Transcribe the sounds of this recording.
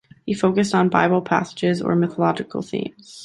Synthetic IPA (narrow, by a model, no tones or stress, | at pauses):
hifoʊkɨstn̩baɪbl̩ˠpʰæ̰sə̥d͡ʒɪzə̰˞mɪθəlɑd͡ʒɨkl̩ˠθḭ̃mz̥